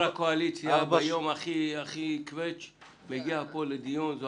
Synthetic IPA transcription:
akoalit͡sjiajomaχiaχikvet͡ʃ | meɡiapoled̪ijunzo

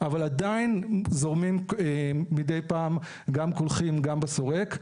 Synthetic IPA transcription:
avaladainzo̞ʁmimeːidejpaːm | ɡamkolχimɡambeso̞ʁe̞k

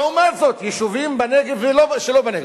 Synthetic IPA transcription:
umazot̪jiʃuvimbaneɡeveloʃelobeneɡe

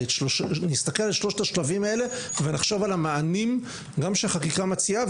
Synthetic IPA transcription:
onist̪akelalʃlo̞ʃt̪aʃlavimae̞le̞venaχʃo̞valamaːnim | ɡamʃeχakikamat͡siav

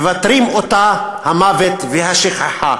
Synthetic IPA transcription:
vat̪ɾimot̪a | hamavet̪vehaʃiχaħa̰

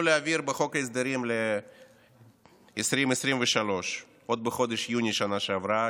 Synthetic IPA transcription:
uleaviɾbeχo̞kaezd̪aɾimle | sɾimesɾimveʃalo̞ʃ | o̞d̪̚beχo̞d̪eʃjunʲiʃanaʃeavɾa

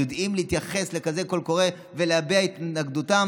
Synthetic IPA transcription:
od̪imlihit̪jaχe̞sle̞kaze̞ko̞lko̞ʁe̞ | ve̞leabiait̪nnaɡd̪utam

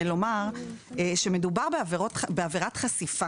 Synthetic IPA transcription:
lo̞maʁeʃe̞me̞dubaʁbeaveʁotbeaveʁat̪χasifa

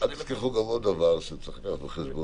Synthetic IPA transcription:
at̪iskiχuɡamodavaʁʃet͡saχlakat̪beχesbo

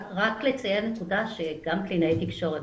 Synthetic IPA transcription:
ʁaklet͡sajenekudaʃeɡamplinet̪ikʃo̞ʁe

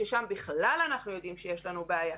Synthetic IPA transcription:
ʃeʃambiχlalanaχnujo̞d̪imʃejeʃlanubeaja

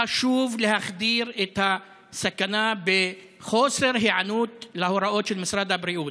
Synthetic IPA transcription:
ʔaʃuːvlɪhaxd̪iːɾʔɪt̪ha | sakanaːbɪ | xoːsˤɪɾɦɪʕanuːt̪lahʊɾˤɑʔoːt̪ʃɪlmɪsɾˤɑːd̪abɾiʔuː

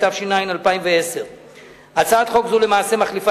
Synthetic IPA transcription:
t̪avʃinainalpaimveeseʁ | at͡saat̪χokzule̞maːse̞maχlifa

